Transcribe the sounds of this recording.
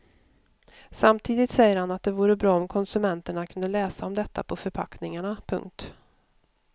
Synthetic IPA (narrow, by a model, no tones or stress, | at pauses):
samt̪ʰiːd̪ɪt̪sɛjːəɾhanat̪̚d̪ɛvuːɾəbɾɑːɔmkʰɔnsɵmɛnt̪əɳakʰɵnd̪əlɛːsaɔmd̪ɛt̪ːa̰pʰɔfœɾpʰa̰knɪŋaɳapʰɵ̰ŋk̚t̪